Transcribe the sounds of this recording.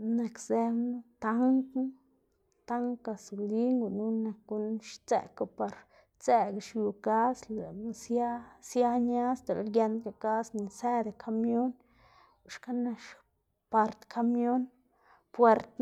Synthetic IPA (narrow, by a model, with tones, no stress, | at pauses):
ne˧kze˧bnu˦t̪a˦ŋkn˦ | t̪a˦ŋka˧su˨li˦ŋɡu˨nu˦na˧k̚ɡu˧nʃt͡sḛ˧ka˧pa˧ɾ | t͡se˧ɡʃju˧ka˦sle˨˧sa˦sja˦ɲa˦st̪e˨llɡje˧nd̪̚ɡa˨ka˦sni˨se˦d̪e˨kʰa˧mjo˦n˨ | ʂka˦na˧ʃ | pa˧ɾt̪kʰa˧mjo˦n | pwe˧ɾt̪